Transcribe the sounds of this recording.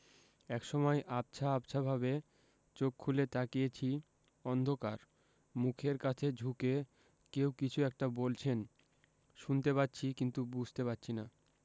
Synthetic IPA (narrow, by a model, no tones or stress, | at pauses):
ɛkʃɔmɔeʔab̚t͡ɕʰaapt͡ɕʰabʱabe | t͡ɕokʰːulet̪akiet͡ɕʰi | ɔnd̪ʱokaɾ | mukʰeɾkat͡ɕʰed͡ʑʱuke | kewkit͡ɕʰuɛk̚ʈabolt͡ɕʰen | ʃunt̪epatːɕʰikint̪ubud͡ʑʱt̪epatːɕʰina